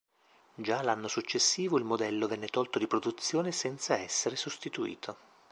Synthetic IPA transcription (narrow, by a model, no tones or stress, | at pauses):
d͡ʒalanːosut͡ʃːesːiːvoilmod̪ɛlːovɛnːet̪ɔlt̪od̪ipɾod̪ut̪sːjoːnesɛnt̪saɛsːeɾesost̪it̪uḭːt̪ʰo